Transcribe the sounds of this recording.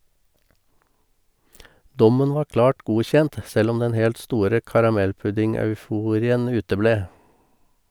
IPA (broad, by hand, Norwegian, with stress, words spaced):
ˈdɔmən ˈʋɑːɾ ˈklɑːʈ ˈɡuːçɛnt ˈsɛl ˈɔm ˈdɛn ˈhɛlt ˈstuːɾə kɑɾɑˈmɛlˌpʉdɪŋɑʉˌfuːɾɪən ˈʉːtəˌbleː